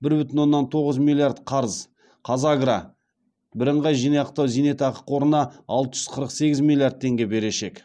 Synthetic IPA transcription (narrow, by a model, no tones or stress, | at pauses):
bɪɾbʏt̪ɪnwo̞nːɑnt̪ʰo̞ʁəzmilʲːˠijard̪qʰɑɾəz | qʰɑzaɡɾɑ | bɪɾəɴʁɑjʒijnɑjɑq̚t̪ɑwzijne̞t̪ɑqə̥qwo̞ɾənɑɑ̰lˠt̪əʒ̥ʏz̥qʰəɾəqse̞ɡʲɪzmʲilʲˠjard̪̚t̪ʰe̞ŋɡʲe̞be̞ɾe̞ʃe̞k